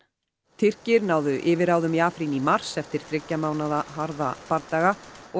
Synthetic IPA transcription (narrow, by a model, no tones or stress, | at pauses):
t̪ʰɪr̥cɪɾnaːwðʏʔɪːvɪɾaːwðʏmjaːfɾinimar̥sɛft̪ɪɾ̥θɾɪcːamaːwnaðaɦaɾðapaɾt̪aːɣaɔ